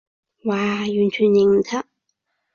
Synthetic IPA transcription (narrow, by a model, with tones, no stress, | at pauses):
waː˨jy˨˩nt͡ɕʰyː˨˩njɪ˨˩ŋm̩˨˩t̪ʰɐ˥ʔ̚